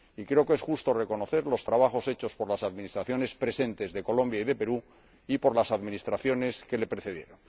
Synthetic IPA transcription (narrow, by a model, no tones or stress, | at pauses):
ikɾe̞oke̞sxust̪o̞reko̞no̞θe̞ɾlo̞st̪ɾaβ̞aχo̞se̞t͡ʃo̞spo̞ɾlasaðmĩnist̪ɾaθjo̞ne̞spɾe̞se̞nt̪e̞zðe̞ko̞lõ̞mbjaiðe̞pe̞ɾu | ipo̞ɾlasaðminist̪ɾaθjo̞ne̞ske̞le̞pɾe̞θe̞ð̞je̞̰ɾo̞n